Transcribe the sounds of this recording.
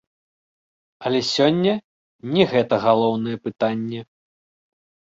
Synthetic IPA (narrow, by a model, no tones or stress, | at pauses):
ɐlʲɛsʲɔnʲːɛ | nʲɛɣɛt̪ɐɣalˠɔwnɨjɛpɨt̪anʲːɛ